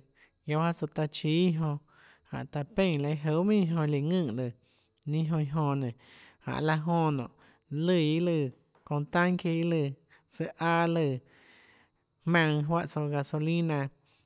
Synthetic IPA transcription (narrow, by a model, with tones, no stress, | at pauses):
jo˧˦ha˦so˧t̪a˧t͡ʃi˧˦ɦõ˧ | hã̰˨ʔt̪a˧pẽ˦˨la˧jɦo˧˦mĩ˦˧ɦõ˧li˨ŋɨ̃ː˦˧˨ʔlɨ˨ | nĩ˦ɦõ˧i˧ɦõ˧nẽ˨ha̰˨ʔla˧ɦõ˧nɔ̰̃˨ʔ | lɨ˧˨i˦lɨ˧˨ | kõ˧nt̪ã˦ŋke˧i˦lɨ˧˨ | sɨ˧ʔaː˧˦lɨ˧˨ | hmã˧ŋɦwa˦ʔso˧ɡa˧so˧lĩ˦nã˧